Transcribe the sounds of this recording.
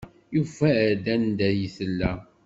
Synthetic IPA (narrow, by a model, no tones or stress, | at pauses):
jufæɾd̪ænd̪æjəθəlːæ